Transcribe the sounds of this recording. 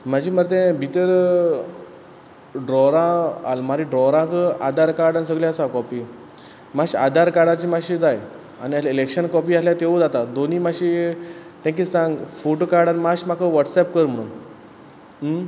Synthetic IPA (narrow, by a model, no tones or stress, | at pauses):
m̤ad͡ʑiːməɾt̪̬ɛ̃bʱit̪əɾ | ɖɾɔɾãalmaɾiɖɾɔɾãkəad̪aɾkaɾɖanis̬əɡɭjaəsakɔpiː | maɕiad̪aɾkaɾɽat͡ɕimaɕid͡zaj | a̰niailekɕənkɔpiːasljat̪eʋod͡zat̪ad̪onimaɕit̪ãk̬isãŋɡfoʈokaɾɽanimaɕmakʰəʋəʈsɛp̚kəɾm̤əɽṵn